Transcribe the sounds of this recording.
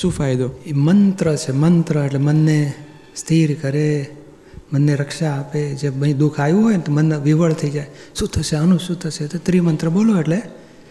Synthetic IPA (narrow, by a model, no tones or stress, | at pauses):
ʃũfajd̪oemənt̪ɾət͡ʃʰemənt̪ɾəeʈlemənːe | st̪ʰiɾkəɾe | mənːeɾəkʃaːped͡ʒebəɦĩd̪ukʰajũɦojnt̪omənʋiʋəɭt̪ʰəid͡ʒajʃũt̪ʰəʃeənũʃũt̪ʰəʃet̪ot̪ɾimənt̪ɾəboloeʈle